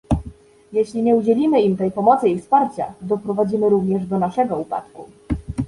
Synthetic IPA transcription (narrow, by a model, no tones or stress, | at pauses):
jeɕlʲiɲɛud͡ʑɛlʲimɘimt̪ɛjpɔmɔt̪sɘifspaɾt͡ɕa̰d̪ɔpɾɔvad͡ʑimɘɾuvɲɛʐd̪ɔnaʂɛɡɔupa̰t̪kṵ